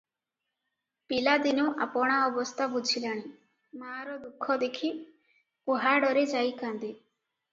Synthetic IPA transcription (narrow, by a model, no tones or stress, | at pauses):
pilad̪inɔʔa̰pɔɽ̃aɔbɔst̪ʰabud͡ʒʱilaɽ̃i | maɾɔd̪ukʰːɔd̪ekʰi | oɦaɖɔɾed͡ʒajkand̪i